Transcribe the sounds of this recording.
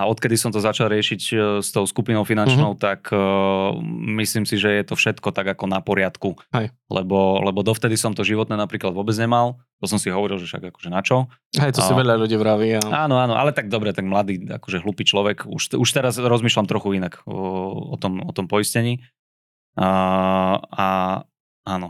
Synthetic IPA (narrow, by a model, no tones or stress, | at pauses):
aɔt̪kɛd̪isɔmt̪ɔzat͡ʃalˠɾɪɛʃicst̪ɔʊskupinɔʊfinant͡ʃnɔʊt̪akʰ | misliːmsiʒɛjɛt̪ɔfʃɛt̪kɔt̪aɡakɔnapɔɾɪat̪kuɛj | lɛ̰bɔlɛbɔd̪ɔft̪ɛd̪isɔmt̪ɔʒiʋɔt̪nɛːnapɾiːklad̪ʋʊɔbɛd͡zɲɛmal | t̪ɔsɔmsiɦɔʋɔɾilʒɛfʃa̰ɡakɔ̥ʒɛnat͡ʃɔ | ɦɛjt̪ɔsiʋɛʎaluɟiːʋɾaʋiaaːnɔaːnɔʔa̰lɛt̪aɡ̚d̪ɔbɾɛt̪aɡmlad̪iːa̰kɔʒɛɦlupiːt͡ʃlɔʋɛkṵʃuʃt̪ɛɾazɾɔzmiːʃlamt̪ɾɔxuinak | ɔ̰t̪ɔmɔt̪ɔmpɔiscɛɲiː | a | aːnɔ